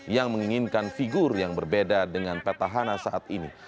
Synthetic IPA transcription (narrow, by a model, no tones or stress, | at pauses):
jaŋməŋiŋinkanfiɡurjaŋbərbedadəŋanpat̪aɦanasaʔat̪ini